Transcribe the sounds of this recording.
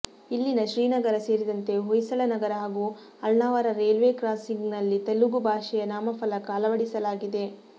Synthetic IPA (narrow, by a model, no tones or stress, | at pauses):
ilːinɐʃɾiːnɐɡɐɾɐse̞ːɾid̪ɐnt̪e̞ɦojsɐɭɐnɐɡɐɾɐɦaːɡuː | ɐlnaːʋaɾɐɾeːlʋeːkɾaːsiŋɡnɐlːit̪ɐlːuɡubʱaːʃɛjɐnaːmɐpɐlɐkaːlɐʋɐɽisɐlaːɡid̪e̞